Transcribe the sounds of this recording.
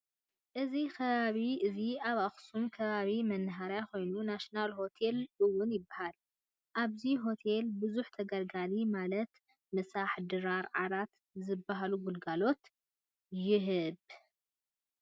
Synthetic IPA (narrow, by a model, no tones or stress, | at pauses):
ʔɨzikʰɐβaβiʔɨziaβaxsunkʰɐβaβimɐnːɨɦaɾjajko̞jnunaʃinalho̞t̪ʰe̞lɨwːʊnjɪbːahal | ʔaβziɦo̞t̪ʰelbɨzuħt̪ʰɐɡɐɾɡalimalɐt̪ | mɨsaħd̪ɨɾaɾʕaɾat̪ | zɨbːaɦaluɡulɡalo̞t̪ | jɪɦɨb